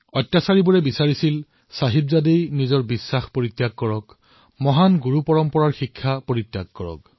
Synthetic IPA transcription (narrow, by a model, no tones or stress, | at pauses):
ɔtːasaɹibuɹɛbisaɹisil | saɦibzadejnizɔɹbisːaxpoɹit̪ːjaɡ̚kɔɹɔk | mɔɦanɡuɹupɔɹɔmpɔɹaɹxikʰːapoɹit̪ːjaɡ̚kɔɹɔ̰k̚